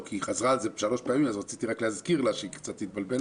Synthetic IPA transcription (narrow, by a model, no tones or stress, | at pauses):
kʰiχazʁaːlzebʃalo̞ʃpeamimazʁat͡sit̪iʁaklehazkiʁlaʃikt͡sat̪ːit̪̚balbel